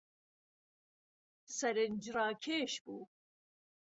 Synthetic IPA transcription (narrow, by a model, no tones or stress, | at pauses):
sɛɾend͡ʒrɑːkʰeːʃbuː